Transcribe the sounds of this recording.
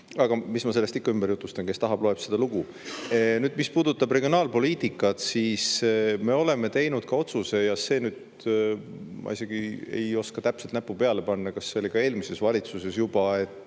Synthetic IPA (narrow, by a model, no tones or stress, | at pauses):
ɑɡ̥ɑmismɑse̞lest̪ikːɑymb̥ejut̪ːˑust̪ɑŋke̞st̪ɑɦɑb̥lo̞e̞b̥sed̪̥ɑluɡ̥u | nyːd̪̥mispuːd̪ut̪ːˑɑb̥re̞ɡio̞nɑːlpo̞liːt̪ikːˑɑt̪siːsme̞o̞le̞me̞t̪e̞jnud̪̥kɑo̞t̪suse̞jɑse̞ːnyːd̪̥ | mʔɑ̰ise̞ɡ̥ie̞̰jo̞skɑt̪æpselt̪næpːupe̞ɑle̞pɑnːɑkɑsːeoliɡ̥ɑe̞ːlmise̞svɑlʲit̪suse̞sjub̥ɑet̪ːˑ